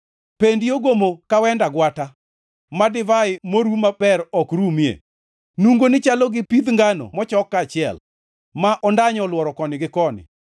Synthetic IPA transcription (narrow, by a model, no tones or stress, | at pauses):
pendioɡomokawɛndaɡwata | madɪvaɪmoɾumapɛɾɔkɾumjḛ | nuŋɡonɪt͡ʃalɔɡɪpid̪ŋɡanɔ̰mɔt͡ʃɔkːat͡ʃɪɛ̰l | maʔɔndaɲɔlwɔɾɔkɔnɪɡɪkɔnɪ̰